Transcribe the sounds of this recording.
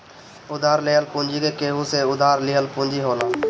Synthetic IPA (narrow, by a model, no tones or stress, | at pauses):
ʊd̪aːɾleːəlpũːnd͡ʒiːd̪eːkeːɦuːseːʊd̪ʱaːɾliːɦəlpũːnd͡ʒiːɦoːlãː